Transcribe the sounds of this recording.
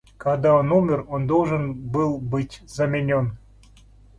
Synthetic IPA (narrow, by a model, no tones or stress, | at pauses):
kɑd̪ɑonumʲərond̪olˠʒənbɨlˠbɨtʲzamʲenʲon